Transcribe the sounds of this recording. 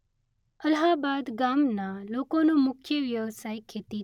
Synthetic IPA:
əlɦaːbaːd̪ɡaːmnaloːkõnomʊkʰjəʋjəʋsaːjkʰeːt̪i

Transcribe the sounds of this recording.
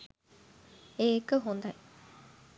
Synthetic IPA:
eːkəɦund̪ɐ

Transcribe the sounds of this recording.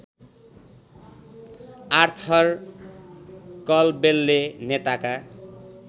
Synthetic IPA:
art̪ʰʌr | kʌlbelːenet̪aka

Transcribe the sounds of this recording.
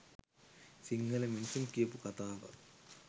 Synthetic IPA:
siŋːɐlɐminsumkiːpukɐt̪aːʋɐ̰

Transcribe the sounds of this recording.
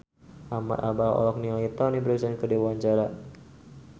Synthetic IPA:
ʔama̰t̪abaɔ̰lɔk̚niɔit̪ɔnibəɾisankədewaɲt͡ʃaɾa

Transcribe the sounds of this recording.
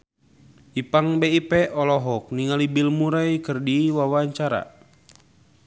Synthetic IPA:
ipaŋbeipɛʔɔlɔɦɔk̚niŋalibilmuɾajkɨrdiwawaɲt͡ʃaɾa̰

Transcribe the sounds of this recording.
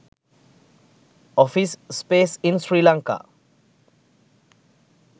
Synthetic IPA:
ɔfisːpesĩnsɹilãŋka̰

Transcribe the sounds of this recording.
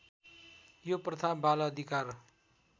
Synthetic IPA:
joprʌt̪ʰabalʌːd̪ʱikar

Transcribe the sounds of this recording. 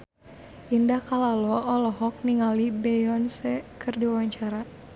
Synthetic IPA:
ʔindakalalɔɔlɔɦɔk̚niŋalibɛjɔnsɛkɨrdiawaɲt͡ʃaɾa

